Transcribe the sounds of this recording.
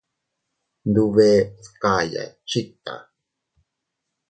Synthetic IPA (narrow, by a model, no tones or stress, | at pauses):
nd̪uβeːθkaːja̰t͡ʃit̪ːa̰